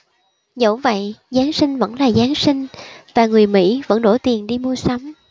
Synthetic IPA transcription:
zə̰˧˥wvə̰˧˨jzaː˨˦nsï˧ŋ̟və̰˧˥nlaː˨˩zaː˨˦nsï˧ŋ̟vaː˨˩ŋɨ˨˩əjmḭ˧˥və̰˧˥nɗo˧˩t̪i˨˩ənɗi˧mu˧əsə˨˦wŋ͡m

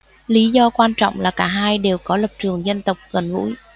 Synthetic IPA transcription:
li˨˦zɔ˧kwaː˧nt͡ɕɔ̰˧˨wŋ͡mlaː˨˩kaː˧˩ɦaː˧jɗe˨˩wkɔ˨˦lə˨˩p̚t͡ɕɨ˨˩əŋzə˧nt̪ə˨˩wk͡p̚ɣə˨˩nvṵ˧˥j

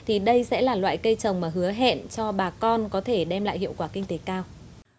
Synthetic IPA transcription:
t̪ʰi˨˩ɗə˧jsɛ̰˧˥laː˨˩lwa̰ː˧˨jkə˧jt͡ɕə˨˩wŋ͡mmaː˨˩ɦɨ˨˦əɦḛ˧˨nt͡ɕɔ˧ɓaː˨˩kɔ˧nkɔ˨˦t̪ʰe˧˩ɗɛ˧mla̰ː˧˨jhḭ˧˨əwkwaː˧˩kï˧ŋ̟t̪e˨˦kaː˧w

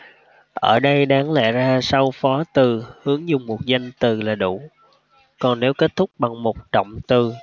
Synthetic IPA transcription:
ʔəː˧˩ɗə˧jɗaː˨˦ŋlɛ̰˧˨zaː˧sa˧wfɔ˨˦t̪ɨ˨˩hɨ˨˦əŋzʊ˨˩ŋ͡mmo˨˩t̚za˧jŋ̟t̪ɨ˨˩laː˨˩ɗu˧˩ | kɔ˨˩nne˨˦wke˦˥t̚t̪ʰʊ˦˥k͡p̚ɓa˨˩ŋmo˨˩t̚t͡ɕə̰˧˨wŋ͡mt̪ɨ˨˩

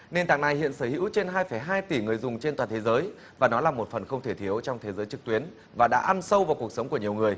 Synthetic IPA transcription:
ne˧nt̪a̰ː˧˨ŋna˧jhḭ˧˨ənsəː˧˩hḭ˧˥wt͡ɕe˧nɦaː˧jfə˧˩jɦaː˧jt̪i˧˩ŋɨ˨˩əjzʊ˨˩ŋ͡mt͡ɕe˧nt̪waː˨˩t̪ʰe˨˦zəː˨˦j | vaː˨˩nɔ˨˦laː˨˩mo˨˩t̚fə˨˩nxə˧wŋ͡mt̪ʰe˧˩t̪ʰi˨˦əwt͡ɕɔ˧wŋ͡mt̪ʰe˨˦zəː˨˦jt͡ɕɨ˨˩k̚t̪wi˨˦ən | vaː˨˩ɗa̰ː˧˥ʔa˧nsə˧wvaː˨˩ku˨˩ək̚sə˨˦ŋ͡mku˧˩əɲi˨˩əwŋɨ˨˩əj

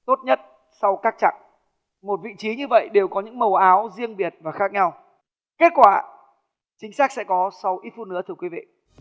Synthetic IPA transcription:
t̪o˦˥t̚ɲə˦˥t̚ | sa˧wkaː˦˥k̚t͡ɕa̰˧˨ŋ | mo˨˩t̚vḭ˧˨t͡ɕi˨˦ɲɨ˧və̰˧˨jɗe˨˩wkɔ˨˦ɲɨ̰˧˥ŋmə˨˩wʔaː˨˦wzi˧əŋɓi˨˩ət̚vaː˨˩xaː˦˥k̚ɲa˧w | ke˦˥t̚kwaː˧˩ | t͡ɕï˨˦ŋ̟saː˦˥k̚sɛ̰˧˥kɔ˨˦sa˧wʔi˦˥t̚fu˧nɨ̰˧˥t̪ʰɨ˧əkwi˨˦vḭ˧˨

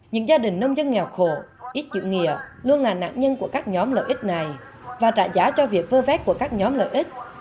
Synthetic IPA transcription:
ɲɨ̰˧˥ŋzaː˧ɗï˨˩ŋ̟nə˧wŋ͡mzə˧nŋɛ˨˩wxo˧˩ʔi˦˥t̚t͡ɕɨ̰˧˨ŋḭ˧˨əlu˧ənlaː˨˩na̰ː˧˨ŋɲə˧nku˧˩əkaː˦˥k̚ɲɔ˨˦mlə̰ː˧˨ʔï˦˥t̟̚na˨˩j | vaː˨˩t͡ɕaː˧˩zaː˨˦t͡ɕɔ˧vi˨˩ək̚vəː˧vɛ˨˦˥t̚ku˧˩əkaː˦˥k̚ɲɔ˨˦mlə̰ː˧˨jʔi˦˥t̚

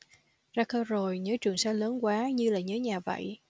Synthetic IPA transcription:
zaː˧kəː˧zo˨˩jɲəː˨˦t͡ɕɨ˨˩əŋsaː˧˦ləː˨˦nkwaː˨˦ɲɨ˧laː˨˩ɲəː˨˦ɲaː˨˩və̰˧˨j

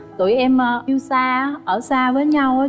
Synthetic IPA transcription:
t̪u˧˩˨jʔɛ˧mə˨˩i˧wsaː˧ʔəː˧˩saː˧vəː˨˦jɲa˧wʔəː˨˦

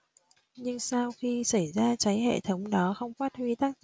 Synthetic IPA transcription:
ɲɨ˧ŋsaː˧wxi˧sa˧˩jzaː˧t͡ɕa˨˦jɦḛ˧˨t̪ʰə˨˦wŋ͡mɗɔ˨˦xə˧wŋ͡mfaː˦˥t̚hwi˧t̪a˦˥k̚

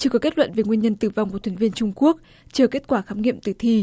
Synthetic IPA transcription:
t͡ɕɨ˧˩kɔ˨˦ke˦˥t̚lwə̰˧˨nve˨˩ŋwi˧əɲə˧nt̪ɨ˧˩va˧wŋ͡mku˨˩t̪ʰvi˧ə˧nt͡ɕʊ˧ŋ͡mku˦˥ək̚ | t͡ɕəː˧˩ke˦˥t̚kwaː˧˩xaː˨˦mŋḭ˧˨əmt̪ɨ˧˩t̪ʰi˧

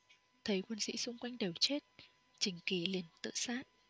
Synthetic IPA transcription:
t̪ʰə˨˦jkwə˧nsḭ˧˥sʊ˧ŋ͡mkwa˧jŋ̟ɗe˨˩wt͡ɕe˦˥t̚ | t͡ɕï˨˦ŋ̟ki˨˦li˨˩ənt̪ɨ̰˧˨saː˦˥t̚

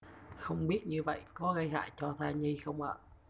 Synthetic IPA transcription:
xə˧wŋ͡mɓi˦˥ət̚ɲɨ˧və̰˧˨jkɔ˨˦ɣə˧jɦa̰ː˧˨jt͡ɕɔ˧t̪ʰaː˧ɲi˧xə˧wŋ͡mʔa̰ː˧˨

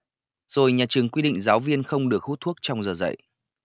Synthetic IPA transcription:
z̥o˨˩jɲaː˨˩t͡ɕɨ˨˩əŋkwi˧ɗḭ˧˨ŋ̟zaː˨˦wvi˧ənxə˧wŋ͡mɗɨ˨˩ək̚hu˦˥t̪̚ʰu˦˥ək̚t͡ɕɔ˧wŋ͡mzəː˨˩zə̰˧˨j

